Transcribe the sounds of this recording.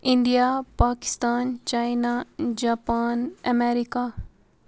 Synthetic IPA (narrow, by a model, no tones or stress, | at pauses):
ɪ̃nd̪ijapaːkɪ̥st̪aːnt͡ʃaːinad͡ʒaːpaːnɐmeɾika